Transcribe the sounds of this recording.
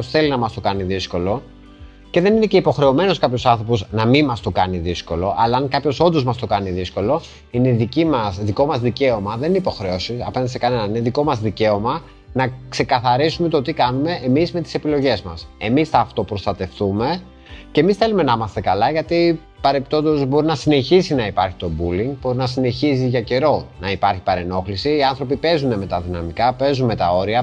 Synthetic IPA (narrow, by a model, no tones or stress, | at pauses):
osθe̞linɐmɐst̪o̞kɐniðisko̞lo̞ | ce̞ðeninece̞ipo̞xɾe̞o̞me̞no̞skɐpço̞sɐnθɾo̞posnɐminmɐst̪o̞kɐniðisko̞lo̞ʔɐlɐːŋkɐpço̞so̞nd̪o̞zmɐst̪o̞kɐniðisko̞lo̞ | ine̞ðicimɐsðiko̞mɐzðice̞omɐðenineipoxɾe̞o̞siɐ̰penɐd̪isekɐne̞nɐnineðiko̞mɐzðice̞o̞mɐ | nɐkse̞kɐθɐɾisume̞t̪o̞t̪ikɐnume̞ʔːmizme̞t̪i̥se̞pilo̞ʝe̞zmɐ̰se̞misθɐːft̪o̞pɾo̞st̪ɐt̪e̞fθume̞ | ce̞misθe̞lume̞nimɐst̪e̞kɐlɐʝɐt̪i | pɐɾepi̥t̪o̞nd̪o̞zbo̞ɾinɐsine̞çisinɐipɐɾçi̥t̪o̞buliŋɡ̚bo̞ɾinɐsine̞çis̬iʝɐce̞ɾo̞nɐipɐɾçi̥pɐɾe̞no̞xlisiːɐnθɾo̞pipe̞zune̞me̞t̪ɐðinɐmikɐpe̞zunme̞t̪ɐo̞ɾiɐ